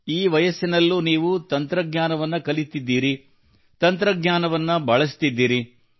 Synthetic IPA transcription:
iːʋɐjɐsːinɐlːuniːʋut̪ɐnt̪ɾɐɡɲaːnɐʋɐnːɐkɐlit̪ːid̪ːiːɾi | t̪ɐnt̪ɾɐɡɲaːnɐʋɐnːɐbʱɐɭɐs̬t̪id̪ːiːɾi

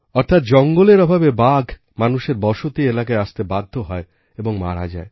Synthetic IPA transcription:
ɔɾt̪ʰat̪̚d͡ʑɔŋɡoleɾɔbʱabebaɡʱ | manuʃeɾbɔʃot̪ielakaeaʃt̪ebad̪ʱːoɦɔe | eboŋma̰ɾa̰d͡ʑa̰e

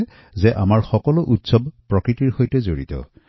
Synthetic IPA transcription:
zɛʔamaɹxɔkɔlʊʔutsɔbpɹɔkɹitiɹhojtɛzoɹḭtɔ̰

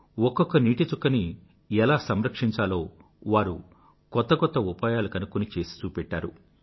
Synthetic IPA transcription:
wɔkːɔkːɐniːʈit͡ʃukːɐni | ɛlaːsɐmɾɐkʂiɲt͡ʃaːlo̞ː | ʋaːɾṵ | kɔt̪ːɐkɔt̪ːɐupaːjaːlukɐnukːunit͡ʃe̞ːsi̥t͡ʃuːpɛʈːaːɾu

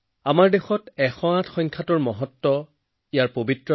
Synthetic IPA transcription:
amaɹdexɔtɛxɔatxɔjŋkʰatʊɹmɔɦɔtːɔ | ijaɹpobitɹɔ

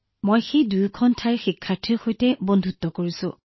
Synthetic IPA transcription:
mojxejdujkʰɔntʰajɹxikʰːaɹtʰiɹxojtɛbondʱutːɔkoɹisʊ̰̃

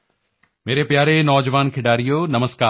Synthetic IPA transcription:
meːɾepjaːɾenɔːd͡ʑʋaːnkʰɪɖaːɾijonɐməskaː

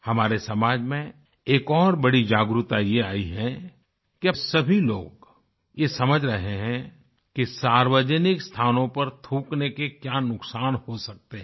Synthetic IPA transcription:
hɐmaːɾesɐmaːd͡ʒmẽ | eːkɔːɾbɐɽid͡ʒaːɡɾut̪ajeaːiɦɛ̃ | kisɐbʱiloːɡ | jesɐməd͡ʒʱɾɐɦeɦɛ̃ | kisaːɾwəd͡ʒənɪkst̪ʰaːnõpɐɾt̪ʰũːknekekjaːnʊksaːnhosɐk̚t̪eɦɛ̃

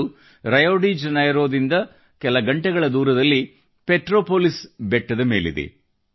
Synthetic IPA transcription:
ɾɐjoːɖid͡ʒɐnɐjɐɾo̞ːd̪ind̪ɐ | kɛlɐɡɐɳʈɛɡɐɭɐd̪uːɾɐd̪ɐlːi | peʈɾoːpoːlisbɛʈːɐd̪ɐme̞ːlḭd̪ḭ

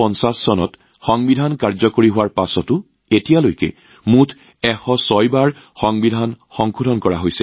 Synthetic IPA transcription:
ɔnsasːɔnɔ̰t | xɔŋbidʱankaɹzɔkoɹiɦʊwaɹpasɔtʊ | etijalojkɛ̰ | mutʰ | ɛxɔsɔjbaɹ | xɔŋbidʱanxɔŋkʰudʱɔnkɔɹa̰ɦojsɛ

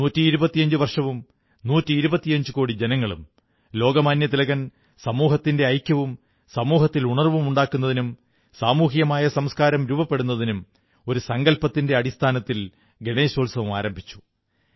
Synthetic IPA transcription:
nuːtːiːɾubɐt̪ːijɐɲd͡ʑuʋɐrʂɐʋum | nuːtːiiɾubɐt̪ːijɐɲd͡ʑuko̞ːɽid͡ʑe̞nɐŋːɐɭṵm | lo̞ːɡɐmaːnjɐt̪ilɐɣɐn | sɐmuːɦɐt̪ːinde̞ɐjkʲːɐʋum | sɐmuːɦɐt̪ːiluɳɐrʋumuɳɖaːkːun̪ːɐðinum | saːmuːɦijɐmaːjɐsɐmskaːɾɐmɾuːbɐpːeɽunːɐðinum | o̞ɾusɐŋɡɐlpɐt̪ːinde̞ɐɽist̪ʰaːnɐt̪ːil | ɡeɳeːɕoːlsɐʋumaːɾɐmbʱit͡ɕːu̥

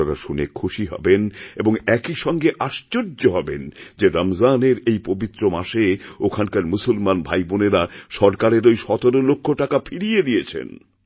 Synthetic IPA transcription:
ɔkaʃunḛkʰːuʃiɦɔ̰beneboŋɛkiʃɔŋɡeʔaʃt͡ɕoɾd͡ʑoɦɔbḛnd͡ʑeɾamzaneɾejpobit̪ːɾomaʃeokʰankaɾmusulmanbʱajboneɾaʃɔɾkaɾeɾojʃɔt̪oɾolokʰːoʈakafʰiɽijed̪ijet͡ɕʰḛn

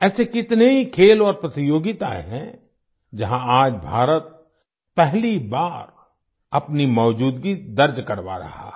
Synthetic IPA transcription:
ɛːsekɪt̪neɦikʰeːlɔːɾpɾɐt̪ɪjoːɡɪt̪a̰ɦɛ̰̃ | d͡ʒɐɦãaːd͡ʒbʱaːɾət̪̚ | pɛɦlibaːɾ | ɐpnimɔːd͡ʒuːd̪ɡid̪ɐɾd͡ʒkɐɾʋa̰ɾɐ̰ɦa̰ː

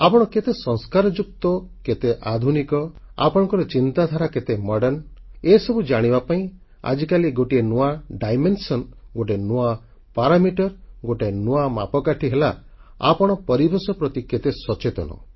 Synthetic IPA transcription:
apɔɽ̃ɔket̪esɔ̃ŋskaɾɔd͡ʒuk̚t̪ɔket̪eʔad̪ʱunikɔ | a̰pɔɽ̃ɔ̃ŋkɔɾɔt͡ʃint̪ad̪ʱaɾaket̪emɔɽɔɾnesɔbud͡ʒaɽ̃ibapaĩ | a̰d͡ʒikaliɡoʈienuaɖajmensɔnɡoʈenua | paɾamiʈɔɾɡoʈenuama̰pɔkaʈʰiɦela | a̰pɔɽ̃ɔpɔɾibesɔpɾɔt̪iket̪esɔt͡ʃet̪ɔ̰nɔ̰

